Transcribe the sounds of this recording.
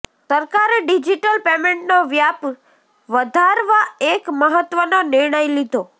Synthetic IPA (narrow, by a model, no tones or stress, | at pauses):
səɾkaɾeɖid͡ʒiʈəlpemẽɳʈnoʋjap | ʋəd̪ʱaɾʋaekməɦət̪ʋənonɪɾɳəjlid̪ʱo